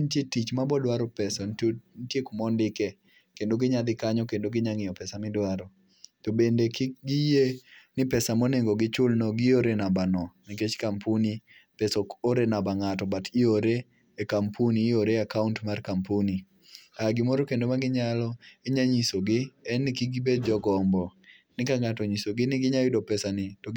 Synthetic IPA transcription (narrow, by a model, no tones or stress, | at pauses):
ntjetit͡ʃmabɔdwaɾɔpɛsɔnntjekumɔndɪkɛ | kendoɡɪɲad̪ɪkaɲɔkendoɡɪɲaŋɪjɔpɛsamɪdwaɾɔ | tobendekɡɪjenɪpɛsamoneŋɡoɡɪt͡ʃʊlnoɡɪoɾenabanɔnɪket͡ʃkampuni | pɛsooɾenabaŋatɔbatʰioɾe | ekampʰunioɾeakauntmarkampuni | aɡɪmɔɾokendomaɡɪɲalɔeɲaɲisoɡɪɛnːɪkiɡɪbed̚d͡ʒɔɡɔmbɔ | nɪkaŋatɔɲisoɡɪnɪɡɪɲajɪdopɛsanɪto